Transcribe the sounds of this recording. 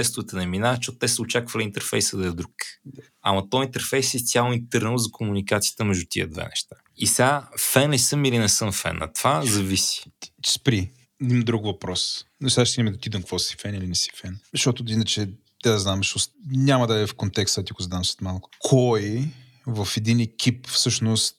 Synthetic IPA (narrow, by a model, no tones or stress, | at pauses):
ɛst̪ʊvɛt̪ənɛminavɐʃɔt̪ʊt̪ɛsəʊt͡ʃakvəlʲiint̪ɛɾfɛjsəd̪ɐɛd̪ɾuk | ɐmɐt̪ɔint̪ɛɾfɛjsɛt̪sʲalˠʊint̪əɾnəlˠzɐkʰomunikat̪sijə̥t̪əmɛʒd̪ut̪ḭə̰d̪vɛ̰nɛ̰ʃt̪ḁ | isafɛnɛsɤmilinɛsɤmfɛ̰nɐ̰t̪v̥azɐvisi̥spɾi | d̪imd̪ɾukvɐpɾɔsnɛʃt̪aʃt̪inimɛd̪ɐt̪id̪əmkvɔsi̥fɛnilinɛsi̥fɛnʃɔt̪ʊinət͡ʃɛ | t̪aznamʃusnʲamɐd̪aɛfkont̪ɛksɛt̪ikʊzd̪ansə̥t̪malˠkʊ̥kʰɔj | vəfɛd̪inɛkʲʰipfsɤʃnʊst̪̚